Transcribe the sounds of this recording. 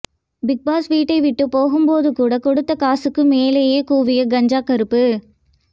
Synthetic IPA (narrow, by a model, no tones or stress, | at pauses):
bɪk̚baːsʋiːʈːɐɪʋɪʈːɯpːoːɣɯmpoːðɯkuːɽɐkɔɽɯt̪ːɐkaːsɯkːɯmeːleːjeːkuːʋɪjɐɡɐɲd͡ʒaːkɐɾɯpːɯ